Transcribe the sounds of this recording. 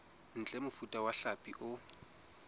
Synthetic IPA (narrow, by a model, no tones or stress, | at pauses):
n̩t͡ɬʼɛmʊfutʼawaɬapʼiʔʊ